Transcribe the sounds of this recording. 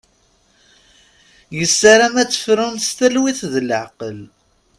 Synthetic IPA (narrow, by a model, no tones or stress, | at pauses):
jəsːaɾæmæt͡sːə̥fɾʊnst̪ælwiθðləʕqəl